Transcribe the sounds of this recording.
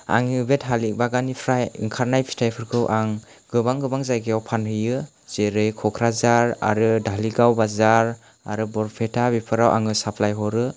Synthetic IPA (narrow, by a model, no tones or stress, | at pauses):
a̰ŋiɯbetɦalik̚baɡanipʰɾajḭŋkʰaɾnajpʰi̥tʰajpʰɯɾkʰɯwʔaŋ | ɡɯbaŋɡɯbaŋzajɡijawpʰanhɯjɯ | z̥eɾɯjkʰɔkʰɾazaɾa̰ɾɯdaliɡawbazaɾ | a̰ɾɯbɔɾpʰetʰabipʰɯɾawʔa̰ŋɯsapʰlajɦɔɾɯ